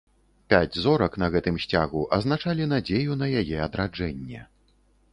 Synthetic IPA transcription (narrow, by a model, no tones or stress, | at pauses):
pʲad͡zʲzɔɾɐknɐɣɛt̪ɨmɕʲt͡sʲaɣuʔɐznat͡ʂalʲin̪ad͡zʲejun̪ɐjajɛɐd̪ɾad͡ʐɛnʲːɛ̰